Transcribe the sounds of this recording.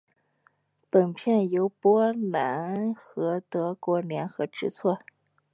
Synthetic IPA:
pə˨˩npʰjɛ˥˩njo˧˥ʊpwɔ˥la˧˥nxɤ˧˥t̪ɤ˧˥kwɔ˧˥ljɛ˧˥nxɤ˧˥ʈ͡ʂɻ̩˧˥t͡sʰwɔ˥˩

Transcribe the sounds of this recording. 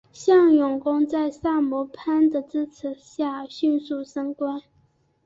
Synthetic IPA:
ɕjɑ˥˩ŋjʊ˨˩ŋkʊ˥ŋt͡sa˥˧ɪsa˥˩mɔ˧˥pʰa˥nd̪ə˨t͡sɻ̩˥t͡s̩ʰ˧˥ɕja˥˩ɕy˥˧nsu˥˩ʂɤ˥ŋkwa˥n

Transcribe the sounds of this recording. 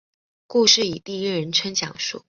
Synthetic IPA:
ku˥˧ʂɻ̩˥˩i˨˩t̪i˥˧i˥ɻə˧˥nʈ͡ʂʰə˥ŋt͡ɕjɑ̰˨˩ŋʂṵ˥˩

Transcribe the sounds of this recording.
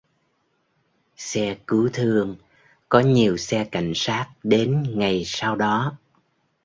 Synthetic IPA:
sɛ˧kɨ˨˦t̪ʰɨ˧əŋ | kɔ˨˦ɲi˨˩əwsɛ˧ka̰˧˩jŋ̟saː˦˥t̚ɗe˨˦nŋa˨˩jsa˧wɗɔ˨˦

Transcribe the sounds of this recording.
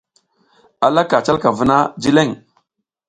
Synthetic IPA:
a˨la˦ka˨t͡ʃa˦lka˨və˦na˦d͡ʒi˦le˦˨ŋ

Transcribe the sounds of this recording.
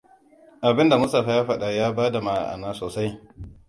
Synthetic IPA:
ʔa˨bɪ˦nda˨mʊ˦sta˨ɸa˦jaː˦ɸɐ˦ɗa˨jaː˦baː˦da˨ma˦˨a̰˨ʔa̰˨naː˦soː˨sa˦j

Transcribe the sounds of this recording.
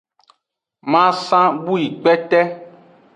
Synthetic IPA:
mã˦sã˦bu˦ji˨k͡pɛ˦t̪ɛ˦

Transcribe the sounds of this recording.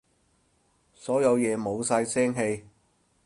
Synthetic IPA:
sɔː˨˥jɐ˨˧wjɛː˨˧mo˨˧wsɐ˧jsɛː˥ŋɦe˧j

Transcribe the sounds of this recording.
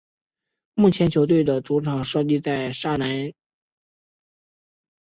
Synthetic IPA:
mu˥˩t͡ɕʰjɛ˧˥nt͡ɕʰjo˧˥ʊt̪̬we˥˩ɪd̪ə˩ʈ͡ʂu˧˥ʈ͡ʂʰɑ˨˩ŋʂɤ˥t͡ɕi˥˧t͡sa˥˩ɪʂa˥˩na˧˥n

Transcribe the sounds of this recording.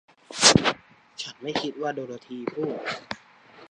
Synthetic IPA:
t͡ɕʰa˦˥nma˥˩jkʰi˦˥t̪̚waː˥˩doː˧ɾa˧t̪ʰiː˧pʰuː˥˩t̪̚

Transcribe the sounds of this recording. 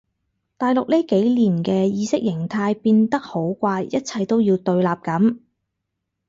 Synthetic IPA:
t̪aː˨jlʊ˨k̚liː˥ke˨˥jliː˨˩nkɛː˧jiː˨˧sɪ˥k̚jɪ˨˩ŋt̪ʰaː˧jpiː˧nt̪ɐ˥k̚ho˨˥wkʷaː˧jjɐ˥t̚t͡sʰɐ˧jt̪o˥wjiː˧wt̪ɵ˧ɥlaː˨p̚kɐ˨˥m

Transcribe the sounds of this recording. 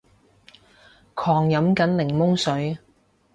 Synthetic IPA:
kʰɔː˨˩ŋjɐ˨˥mkɐ˨˥nlɪ˨˩ŋmʊ˥ŋsɵ˨˥ɥ

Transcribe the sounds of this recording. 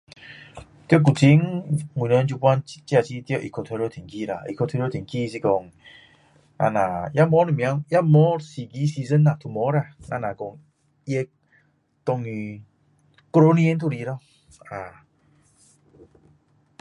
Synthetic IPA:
t̪jk̬u˨˩t͡ɕi˧˦ŋi˨nə˧˦nt͡ɕu˧pwa˦n˦t͡ɕja˧t͡ɕi˧˦t̪o˧ʔḭ˨kʰɔ˧t̪ʰe˧ɾo˧˦t̪ʰi˨˩ŋki˧˨ɾa̰˧˨ʔḭ˨kʰtʰe˧ɾo˦˧t̪ʰi˨˩ŋki˧s̬i˧kɔ˧ŋ | ŋʔa̰˧nã˨˩ja˦mɔ˦nə˧˨mj̃a˧˦ja˦mɔ˨˦si˧ɡi˧˦si˧zə˧˦na˧˨t̪ʰu˧˨mɔ˨˦ɾa˧˨ŋa˧nã˨kɔ˧ŋ | i˧˦e˧k | t̪ɔ˧ŋi˧ | ko˧o˦nĩ˧e˦nt̪ʰu˦˧˨ɾi˧˨ɾɔ˧˨ | a˨˩

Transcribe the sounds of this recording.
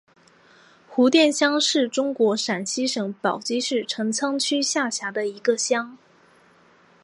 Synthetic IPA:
xu˧˥t̪jɛ˥˩nɕjɑ˥ŋʂɻ̩˥˩ʈ͡ʂʊ˥ŋkwɔ˧˥ʂa˨˩nɕi˥ʂɤ˨˧˥ŋpɑ˨˩ʊt͡ɕi˥ʂɻ̩˥˩ʈ͡ʂʰɤ˧˥ŋt͡sʰɑ˥ŋt͡ɕʰy˥ɕja˥˩ɕja˧˥d̪ə˧i˧˥ɡə˧ɕjɑ˥ŋ

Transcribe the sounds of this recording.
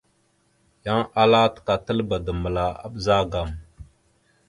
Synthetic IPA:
ja˦ŋʔa˦la˦t̪ka˨tə˦lba˨də˨mə˨la˨a̰˦ɓza˦ɡa˨m

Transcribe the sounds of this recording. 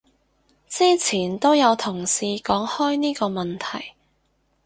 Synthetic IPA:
t͡siː˥t͡sʰiː˨˩nt̪o˥wjɐ˨˧wt̪ʰʊ˨˩ŋsiː˧kɔː˨˥ŋhɔː˥jniː˥kɔː˧mɐ˨nt̪ʰɐ˨˩j

